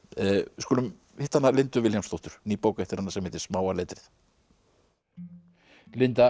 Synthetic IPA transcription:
skɔːlʏm | ɪht̪ahanːalɪnt̪ʏvɪljamst̪owht̪ʏɾ̥niːpoːwkaɛht̪ɪɾhanːasɛmhɛːt̪ɪ̥smaːwalɛːt̪ɾɪθ | lɪnt̪a

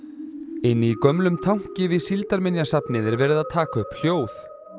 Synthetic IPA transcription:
ɪnːikœmlʏmt̪ʰawŋ̥cɪvɪsilt̪aɾmɪnjasapnɪðɪɾvɛːɾɪðaðt̪ʰaːkaʏhpl̥joːwθ

